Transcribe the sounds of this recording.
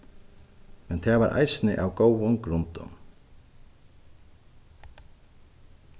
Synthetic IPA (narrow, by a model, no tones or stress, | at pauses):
mɛnt̪ʰaːvaɾʔa̰jsnɪ̰ʔawɡowʊnɡɾʊnt̪ʊ̰n